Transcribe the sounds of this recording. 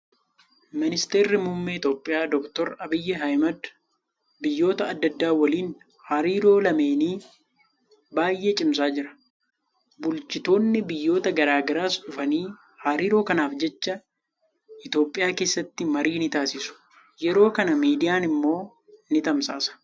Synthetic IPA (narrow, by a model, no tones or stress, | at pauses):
mɪnɪst̪e̞ːrːɪmʊmːɛɪt̪o̞ːpʼːɪjaːd̪ɔkt̪ɔɾɐbɪjːɛɦɐjmɐd̪ | bɪjːo̞ːt̪ɐːd̪ːɐd̪ːaːwɐliːn | haːɾiːɾo̞ːlɐme̞ːniː | baːjːʔe̞ːt͡ʃʼɪms̬aːd͡ʒɪɾɐ̥ | bʊlt͡ʃɪt̪o̞ːnːɪbɪjːo̞ːt̪ɐɡɐɾaːɡɐɾaːsᶑʊfɐniː | haːɾiːɾo̞ːkɐnaːfd͡ʒɛt͡ʃːɐ | ɪt̪o̞ːpʼːɪjaːke̞ːsːɐt̪ːɪmɐɾiːnɪt̪aːsɪsʊ̥ | jɛɾo̞ːkɐnɐmiːd̪ɪjaːnɪmːo̞ː | nɪt̪ɐmsaːsɐ̥